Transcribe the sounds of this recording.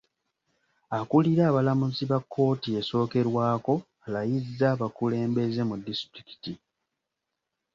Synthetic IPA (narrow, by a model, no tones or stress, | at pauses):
akuliɾaːβalamuziβakʰːo̞ːtie̞so̞ːke̞ɾwaːko̞ | alajizːaːβakule̞ːmbe̞ze̞mudːistɾiki̥ti